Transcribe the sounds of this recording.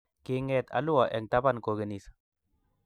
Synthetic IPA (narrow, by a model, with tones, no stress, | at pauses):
ke˧ŋɛt̪a̰˦lu˦wa˨ʔɛ˨ŋt̪aba˦˨nko˨ɡə˨ni˨s